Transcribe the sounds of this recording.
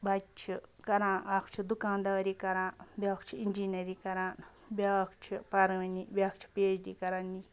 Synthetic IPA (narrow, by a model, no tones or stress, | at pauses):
bɐt͡ʃʰikɐɾãːʔaːkʰt͡ʃʰid̪ukãːnd̪aːɾiːkɐɾãːnbʲɐːkʰt͡ʃʰiind͡ʒiːnɐɾiːkɐɾãːn | bʲakʰt͡ʃʰipaɾɐʋɐniːbʲaːkʰt͡ʃʰi̥peːt͡ʃd̪iːkɐɾaːni